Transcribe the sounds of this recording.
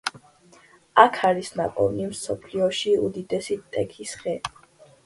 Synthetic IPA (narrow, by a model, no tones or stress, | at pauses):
akʰaɾisna̰pʼɔ̰vnimsɔpʰliɔʃiud̪id̪ɛsit̪ʼɛkʰisχɛ